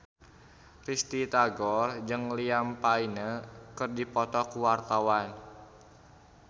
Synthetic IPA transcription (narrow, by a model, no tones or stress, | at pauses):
rist̪it̪aɡɔrd͡ʒɨŋliampainəkɨrdipɔt̪ɔkuwart̪awan